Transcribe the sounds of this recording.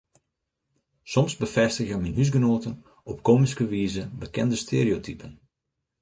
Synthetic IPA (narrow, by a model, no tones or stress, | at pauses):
sɔmzbəfɛstəɣjəminɦys̬ɡənoːtən | ɔp̚koːmiskəʋiːzəbəkɛndəstʰeːɾiotʰypʰən